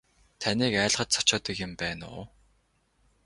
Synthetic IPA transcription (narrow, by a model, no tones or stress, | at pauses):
t̪ʰanʲiːkæːɮχə̆t̪t͡sʰɔ̥t͡ɕɔːt̪ə̆kjʊ̆mpæːnʊ̰ː